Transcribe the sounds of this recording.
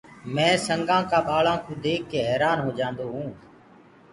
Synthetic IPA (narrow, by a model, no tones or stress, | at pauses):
mɛ̃ːsəŋɡãːkaːɓaːɭãːkõːd̪eːkːeːɦɛːɾaːnɦoːd͡ʒãːnd̪oːɦũː